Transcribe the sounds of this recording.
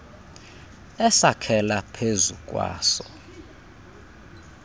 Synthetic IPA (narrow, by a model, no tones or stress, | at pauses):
ɛsakʰɛlapʰezukʼwa̰ːsɔ